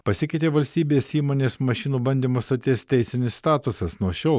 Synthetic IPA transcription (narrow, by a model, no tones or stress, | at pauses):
pɐsʲɪkʲɛɪt̪ʲeːʋɐlʲsʲt̪ʲiːbʲeːsiːmoːnʲeːsmɐʃʲɪnuːbɐnʲd̪ʲiːmoːst̪ɐt̪ʲeːst̪ʲɛɪsʲɪnʲɪsst̪ɑːt̪ʊsɐsnuɔʃʲɛʊ